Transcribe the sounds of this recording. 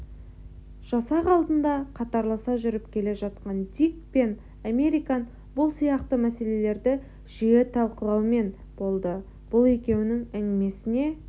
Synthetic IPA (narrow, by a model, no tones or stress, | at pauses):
ʒ̥ɑsɑqɑlˠd̪ənd̪ɑqʰɑt̪ɑɾlˠɑsɑʒʏɾɪpkʲʰe̞le̞ʒɑt̪̚qɑnd̪ikpe̞n | ame̞ɾijkɑn | bʊlˠsijɑqt̪əmæse̞le̞le̞ɾd̪ɪ | ʒ̥ijet̪ʰɑlˠqəlˠɑwme̞n | b̥o̞lˠd̪ə | b̥ʊlˠe̞kʲe̞wɪnɪŋɪnɪme̞sɪne̞